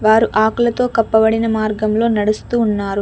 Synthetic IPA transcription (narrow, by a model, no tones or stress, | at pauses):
ʋaːɾuʔaːkulɐt̪o̞ːkɐpːɐbɐɽinɐmaːɾɡɐmlo̞ːnɐɽust̪uːnːaːɾu